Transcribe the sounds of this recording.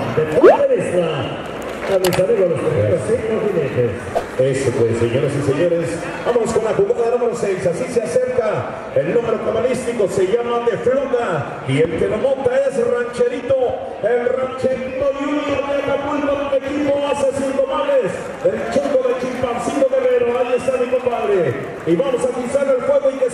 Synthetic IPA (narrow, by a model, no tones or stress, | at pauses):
t̪ekot̪eɾisma | anesaɾiɣalost̪eɾeasiimokineke | esopwesseɲoɾasiseɲoɾes | bamonoskonlakuɣaðaðelamoɾoselsasiseasepka | elnume̞ɾok̪amalist̪ikose̞ʝamad̪efloɣa | ielkelomõnt̪ae̞srant͡ʃeɾit̪o | emrant͡ʃeɾit̪oðjuneβaet̪apult̪akonekipoasesiŋkomales | elt͡ʃokoðet͡ʃimpansit̪oɣereɾoajest̪amikompaðɾe | iβamosapisaɾelfweɣoiðe